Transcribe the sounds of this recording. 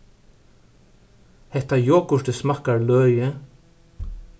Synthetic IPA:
hɛht̪ajoːkʊʂt̪ɪsmahkaɹlœːjɪ

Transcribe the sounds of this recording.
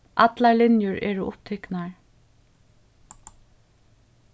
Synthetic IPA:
ʔɑt̪laɹlɪnjʊɹɛ̰ːɹʊʔʊ̰pt̪ʰɪknaɹ

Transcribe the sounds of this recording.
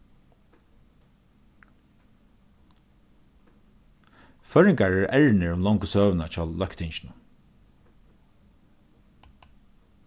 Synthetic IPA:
fœɹɪŋkaɹɛɹʔɛɹnɪɹʊmlɔŋkəsøːʋənat͡ʃʰɔːlːœkt̪ʰɪɲʃɪnʊ

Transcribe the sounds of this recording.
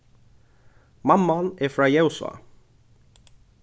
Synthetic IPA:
mamːanɛfɾaːjɛwsʊ̰a̰

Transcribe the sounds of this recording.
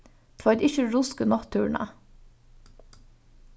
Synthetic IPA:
t̪ʰʋœd̪ɪçəɹʊskənɑt̪ʰʉːɳɑ̰

